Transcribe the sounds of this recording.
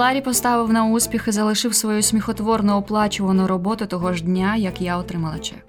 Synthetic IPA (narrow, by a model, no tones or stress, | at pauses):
ɑɾʲipɔst̪ɑʋɪwnɐusʲpʲixɪzɐlˠɪʃɪwsʋɔjusʲmʲixɔt̪ʋɔrnʊɔplˠɑt͡ʃʊʋɐnʊɾɔbɔt̪ʊt̪ɔɦɔʒdʲnʲajɐkjaɔt̪ɾɪmɐlˠɐt͡ʃɛ